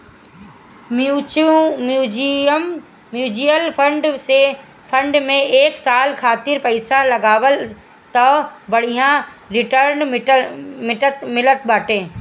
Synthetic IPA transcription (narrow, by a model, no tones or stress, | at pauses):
mjuːt͡ʃmuːd͡ʒiəmː | juːd͡ʒijəlpʰə̃ɳɖse | pʰə̃ɳɖmẽeːksaːlkʰaːt̪ɪɾpɐɪsalɐɡaːʋəl | t̪ɐbɐɽ̤ijãɾɪʈəɾn | mɪʈət̪mɪlət̪̚baːʈẽː